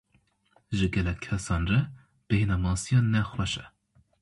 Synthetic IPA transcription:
ʒɨɡɛlɛkʲʰːɛsɑːnrɛ | b̥ɨhenɑːmɑːsijɑnɛxwɛʃɛ

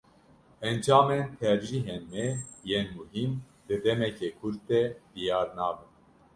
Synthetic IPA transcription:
ɛnd͡ʒɑːment̪ʰɛɾʒiɦenmɛjeːnmuɦim | d̪ɨd̪ɛmɛkekʰuɾt̪ɛd̪ijɑːɾnɑːbɨn

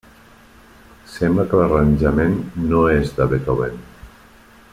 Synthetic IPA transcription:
sembləkəlaranʲʒamenːoezd̪aβet̪oβen

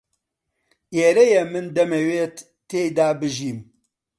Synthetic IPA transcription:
eːɾɛjɛmɨnd̪ɐmeweːt̪ːeːjd̪aːbɨʒiːm

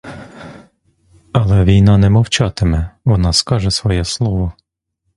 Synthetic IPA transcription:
ɐlˠɛʋʲijnɑnɛmɔwt͡ʃɑt̪ɪmɛʋɔnɑskɑʒɛsʋɔjɛslˠɔʋɔ

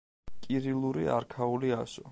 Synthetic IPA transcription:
kʼiɾilˠuɾḭa̰ɾkʰauliaʃɔ

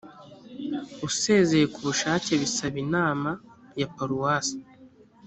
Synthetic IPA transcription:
use̞ːze̞jekuβuʃaːce̞βisaβinaːma | japaɾuwaːsi̥

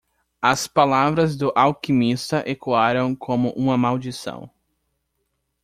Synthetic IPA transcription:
ɐspalavɾɐzd̪ʊʔawkimist̪ɐʔekuaɾɐ̃w̃kʰõmʊʔũmɐmawd͡ʒisɐ̰̃w̃

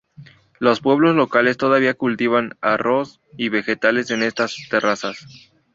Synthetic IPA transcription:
lo̞spwe̞β̞lo̞zlo̞kale̞st̪o̞ðaβiakult̪iβana̰ro̞s | iβe̞xe̞t̪ale̞se̞ne̞st̪ast̪e̞rasas

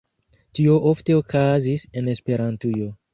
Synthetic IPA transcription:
tio̞ʔofte̞okʰazise̞ne̞spe̞ɾantujo̞

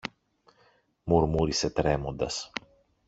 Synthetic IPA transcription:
muɾmuɾiset̪ɾemond̪ɐs

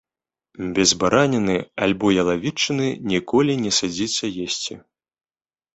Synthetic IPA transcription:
bʲɛzbaɾanʲɛnɨalʲbɔjɐlˠavʲit͡ʂːɨnɨnʲikɔlʲinʲɛsad͡zʲit͡sʲːɐjesʲt͡sʲḭ

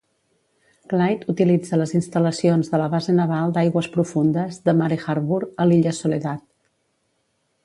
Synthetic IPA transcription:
klajt̪ut̪ilid͡zələzinst̪ələsionzðələβazenəβalˠd̪ajɣwəspɾufund̪əzðəmaɾixaɾβuɾəliʎəsuleðat̪̚

